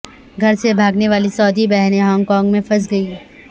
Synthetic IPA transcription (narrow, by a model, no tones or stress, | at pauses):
ɡʱɐɾsebʱaːɡneʋaːlisɔːd̪ʱibɛɦneɦɔːŋɡkɔ̃ːŋɡmẽfɐs̬ɡɐiː